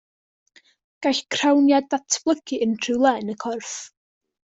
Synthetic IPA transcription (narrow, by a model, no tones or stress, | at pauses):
ɡ̥ajɬkʰrawnjadatʰb̥lˠəɡiʔəntʰrɨwlˠɛnəkʰɔrf